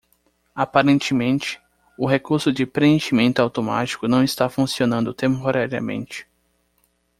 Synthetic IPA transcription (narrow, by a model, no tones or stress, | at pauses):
apaɾẽnt͡ʃɪmẽnt͡ʃɪ̥ | ʊɦekuɾsʊd͡ʒɪpɾeẽʃimẽnt̪ʊawt̪oma̰t͡ʃi̥kʊnɐ̃w̃ist̪afũsionɐ̃nd̪ʊt̪ẽmpoɾaɾiɐ̰mḛ̃nt͡ʃɪ̥